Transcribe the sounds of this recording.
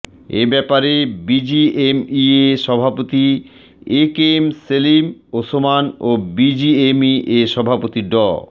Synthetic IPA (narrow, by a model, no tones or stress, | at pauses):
ḛbɛpaɾebid͡ʑiemieʃɔbʱapot̪i | ekemselimosomanobid͡ʑiemiʔeʃɔbʱapot̪iɖɔ